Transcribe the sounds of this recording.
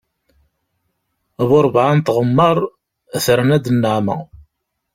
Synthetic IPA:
βʊɾˤbʕant̪ʁəmːəɾˤ | θɾənæd̪nːəʕmə̰

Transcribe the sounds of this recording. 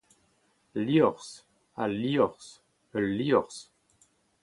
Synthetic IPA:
liɔʁs | aliɔʁs | əlːiɔʁs

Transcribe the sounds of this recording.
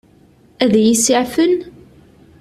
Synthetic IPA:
æðæjisiʕfən

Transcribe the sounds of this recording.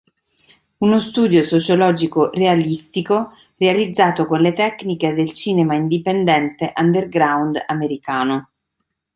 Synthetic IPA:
unost̪uːd̪josot͡ʃolɔːd͡ʒikorealist̪iko | realid̪zːaːt̪okonlet̪ɛkniked̪elt͡ʃiːnemaind̪ipend̪ɛnt̪eʔand̪erɡɾawnd̪ameɾikaːno

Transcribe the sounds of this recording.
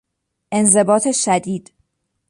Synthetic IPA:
ʔe̞nze̞bɒːt̪ʰe̞ʃæd̪iːd̪̥

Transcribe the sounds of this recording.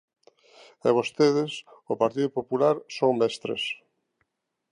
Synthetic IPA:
ɛβost̪eðɪsopaɾt̪iðʊpopulaɾsoŋmɛst̪ɾḛs

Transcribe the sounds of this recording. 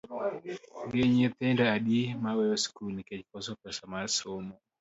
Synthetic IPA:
ɡeɲet̪ɛndaːɗimawɛɔskulnikɛt͡ʃkɔsɔpɛsamaɾsomɔ

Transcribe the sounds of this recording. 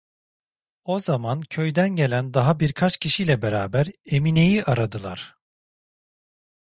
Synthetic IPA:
o̞zamancʰø̞jd̪ænɟe̞lʲænd̪aɦabiɾkʰat͡ʃcʰiʃijlʲɛbeɾaːbæɾe̞mine̞jiʔaɾad̪ɯlˠa̰ɾ̥

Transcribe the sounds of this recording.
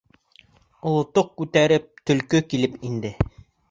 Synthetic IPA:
ŏlˠŏt̪oq̚kʉt̪æɾɘp̚t̪ɵ̆lkɵkilɘpind̪ɘ

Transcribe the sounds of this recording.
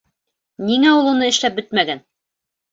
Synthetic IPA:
niŋæulˠunɤɘ̆ʃlæp̚bɘt̪mæɡæn

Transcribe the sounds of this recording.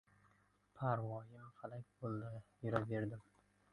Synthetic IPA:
pʰaɾvɒjɪmhalakʲbolˠd̪ɪjʊɾabe̞ɾd̪ɪm

